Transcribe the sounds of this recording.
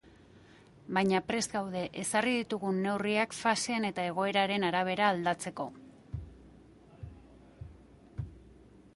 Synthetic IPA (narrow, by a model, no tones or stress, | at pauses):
bajɲapɾe̞sɡawð̞e̞ʔesariðit̪uɣunːe̞wriakfaseane̞t̪ae̞ɣ̞o̞e̞ɾaɾe̞naɾaβ̞e̞ɾaːld̪at͡se̞ko̞